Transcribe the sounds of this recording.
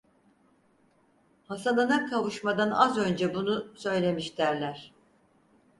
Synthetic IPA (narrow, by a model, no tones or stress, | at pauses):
hasananakʰavuʃmad̪ana̰zø̞nd͡ʒɛbunusø̞jlʲe̞miʃt̪ʰæɾlʲæɾ̥